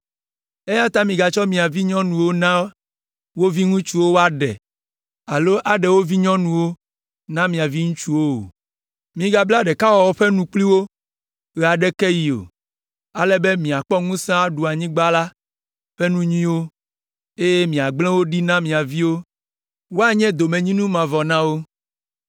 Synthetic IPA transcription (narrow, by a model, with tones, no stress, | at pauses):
e˦ja˦t̪a˦mĩ˨ɡa˨t͡ʃɔ˦mĩ˨a˨vi˦ɲɔ̃˦nũ˨wo˦nã˦ | wo˦vi˦ŋũ˦t͡ʃu˦wo˦wo˦a˦ɖɛ˨ | a˨lo˦ʔa˨ɖɛ˨wo˦vi˦ɲɔ̃˦nũ˨wo˦ | nã˦mĩ˨a˨vi˦ŋũ˦t͡ʃu˦wo˦o̰˨ | mĩ˨ɡa˨bla˦ɖɛ˨ka˦wɔ˨wɔ˦ɸɛ˦nũ˦k͡pli˦wo˦ | ɣɛ˨a˨ɖɛ˦kɛ˦ji˨o̰˨ | a̰˨lɛ˦be˦mĩ˨a˨k͡pɔ˦ŋũ˦sã˦a˦ɖu˨a˨ɲĩ˦ɡ͡ba˦la˦ | ɸɛ˦nũ˦ɲĩ˦wo˦ | e˦je˦mĩ˨a˨ɡ͡blɛ̃˦wo˦ɖi˦nã˦mĩ˨a˨vi˦wo˦ | wo˦a˦ɲɛ̃˦d̪o˨mẽ˨ɲĩ˦nũ˦mã˨vɔ˨nã˦wo˦